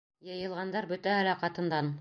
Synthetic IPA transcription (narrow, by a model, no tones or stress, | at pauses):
jɤ̆jɤ̆lˠʁɑnd̪ɑɾbɵt̪æɦælæqɑt̪ɤ̆nd̪ɑn